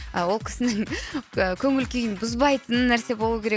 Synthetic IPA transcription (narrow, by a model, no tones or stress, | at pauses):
əwo̞lˠkʲʰɪ̥sɪnɪŋəkʲʰɵŋɪlkʲʰejɪnbʊzbɑjt̪ənənːæɾse̞bo̞lˠuəkʲʰe̞ɾe